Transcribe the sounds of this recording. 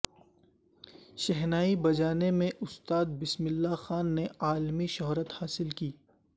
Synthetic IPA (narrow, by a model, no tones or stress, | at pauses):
ʃɛɦnaːibɐd͡ʒaːnemẽʔʊst̪aːd̪̚bɪsmɪlːaxaːnːeaːlmiʃɔɦɾət̪haːsɪlkiː